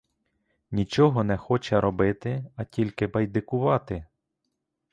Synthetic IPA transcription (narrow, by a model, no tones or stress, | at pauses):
nʲit͡ʃɔɦɔnɛxɔt͡ʃɛɾɔbɪt̪ɪɐtʲilʲkɪbɐjd̪ɪkʊʋɑt̪ɪ